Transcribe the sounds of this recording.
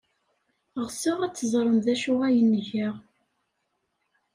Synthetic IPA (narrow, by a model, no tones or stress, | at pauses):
ʁsɪʁæt͡sːəzˤɾˤəmðæʃuʁæjənːəʝəʁ